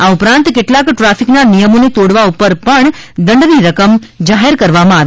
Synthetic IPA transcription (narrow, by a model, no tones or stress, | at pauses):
aupɾãnt̪keʈlakʈɾafiknanijəmonet̪oɽʋaupəɾpəɳd̪əɳɖʋiɾəkəm | d͡ʒaɦeɾkəɾʋamãaʋ